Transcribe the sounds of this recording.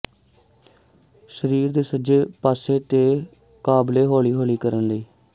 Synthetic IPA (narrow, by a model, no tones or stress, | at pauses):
səɾiːɾd̪eːsəd͡ʒeːpaːseːt̪eː | kaːbleːɦoːɭiːɦoːɭiːkəɾənləiː